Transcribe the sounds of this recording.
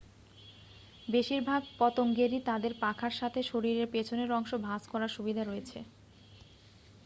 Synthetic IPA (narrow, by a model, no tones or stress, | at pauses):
beʃiɾbʱaɡ̚pɔt̪oŋɡeɾit̪ad̪eɾpakʰaɾʃat̪ʰeʃoɾiɾeɾpet͡ɕʰoneɾɔŋʃobʱaskɔɾaɾʃubid̪ʱaɾojet͡ɕʰe